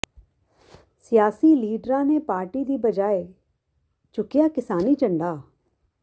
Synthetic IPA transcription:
sijaːsiːliːɖɾãːneːpaːɾʈiːd̪iːbəd͡ʒaːe | t͡ʃʊkɪjaːkɪsaːniːt͡ʃəɳɖaː

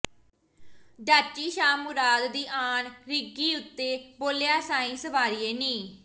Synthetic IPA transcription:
ɖaːt͡ʃiːʃaːmʊɾaːd̪ːiːʔaːnɾɪɡiːʊt̪ːeːboːlejaːsaːĩːsəʋaːɾiːeːnĩː

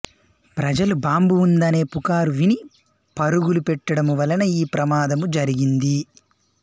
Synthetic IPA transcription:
pɾɐd͡ʒɐlubaːmbuːnd̪ɐne̞ːpukaːɾuʋini | pɐɾuɡulupɛʈːɐɽɐmuʋɐlɐnɐjiːpɾɐmaːd̪ɐmud͡ʒɐɾiɡind̪i

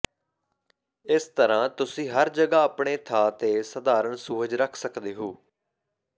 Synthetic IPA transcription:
ɪst̪əɾãːt̪ʊsĩːɦəɾd͡ʒəɡaːəpɳeːt̪ʰaːt̪eːsəd̪aːɾəɳsuːɾəd͡ʒɾəkʰsəkd̪eːɦoː

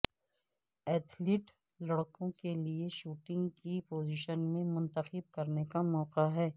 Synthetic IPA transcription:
ɛːt̪ʰlɪʈ | lɐɽkõkelieʃuːʈɪ̃ŋɡkipoːziːʃənmẽmʊ̃nt̪əxɪb̚kɐɾnekamɔːqaɦɛː

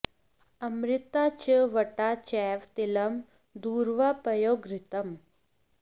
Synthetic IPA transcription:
əmɾɪt̪at͡ɕəʋəʈat͡ɕɛʋt̪iləm | d̪uːɾʋapɐjoːɡɾɪt̪əm

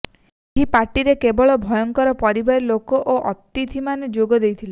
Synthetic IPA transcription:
eɦipaɾʈiɾekebɔɭɔbʱɔjɔŋkɔɾɔpɔɾibaɾilokɔʔoʔɔt̪it̪ʰimaned͡ʒoɡɔd̪ejt̪ʰile

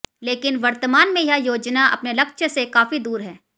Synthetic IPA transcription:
leːkɪnʋɐɾt̪əmaːnmẽjɐɦajoːd͡ʒnaʔɐ̰pnelɐkʃsekaːfid̪uːɾɦɛː

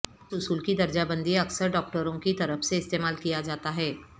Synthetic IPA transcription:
sʊsuːlkid̪ɐɾd͡ʒabə̃nd̪ʱiɐksəɾɖɔːk̚ʈəɾõkit̪ɐɾəfseɪst̪eːmaːlkijad͡ʒaːt̪aɦɛː

